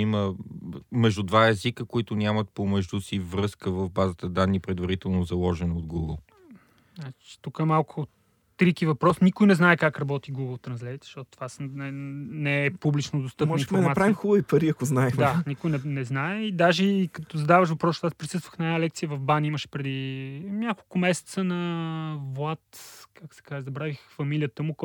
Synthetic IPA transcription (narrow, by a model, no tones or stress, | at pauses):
imə | mɛʒd̪ud̪vaɛzikəkoit̪ʊnʲjamət̪̚pomɛʒd̪usivɾɤskəvəfbazət̪əd̪anːipɾɛd̪vɐɾit̪ɛlˠnozɐlˠɔʒɛnɐod̪ɡuɡəlˠ | nat͡ʃt͡ʃi̥t̪ukəɛmalˠkʰʊ | t̪ɾikivɐpɾɔsnikʊjnɛznaɛkakɾɐbɔt̪iɡuɡəlˠt̪ɾɐnslʲɛvit̪z̥ʃt̪ɔt̪o̥t̪vasnɛnɛpublit͡ʃnod̪ost̪ɤpmɔĩfoɾnmɐapɾavixubvipɐɾiɐkoznaɛxd̪anikʊjnɛnɛznaɛid̪aʒɛːkɐt̪ɔzɐd̪avəʃ̬vɐpɾɔsʃaspɾisɤst̪vəxnɐɛnalɛk̚t̪siəvɐvbaniməʃɛ̥pɾɛd̪inʲjakolˠkʊmɛsɛ̥t̪sənɐvwat̪kaksɛ̥kaʒɛzɐbɾavixfɐmilijət̪əmʊk